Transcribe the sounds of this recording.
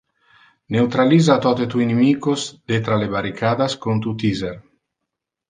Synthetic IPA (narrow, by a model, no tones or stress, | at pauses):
newt̪ɾalizat̪ɔt̪et̪ujnemikozd̪̥et̪ɾalebaɾikʰad̪askont̪ut̪izeɾ